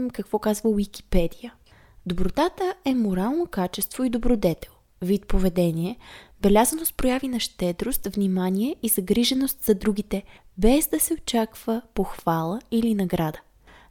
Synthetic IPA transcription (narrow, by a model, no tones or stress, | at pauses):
mkɐkvɔkazvəwik̟i̥pɛd̪ijə | d̪obɾot̪at̪əɛmoɾalˠnokat͡ʃɛst̪v̥oid̪obɾod̪ɛt̪ɛ̥lˠ | vit̪̚povɛd̪ɛniɛbɛlʲazənost̪̚pɾojavinɐʃt̪ɛd̪ɾost̪vnimanʲiɛizɐɡɾiʒɛnost̪z̥ɐd̪ɾuɡ̟it̪ɛ | bɛzd̪ɐsɛot͡ʃakv̥əpoxv̥alˠəilinɐɡɾad̪ə